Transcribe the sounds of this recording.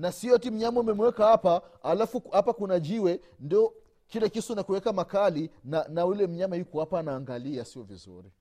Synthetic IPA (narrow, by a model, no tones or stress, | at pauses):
nasiɔtim̩ɲamaumɛmwɛkahapaːlafuhapakunaʄiwɛ | ndiɔ | kilɛkisunakuwɛkamakalinanaulɛm̩ɲamahjukuapaːnaːŋɡaliasiɔvizṵɾi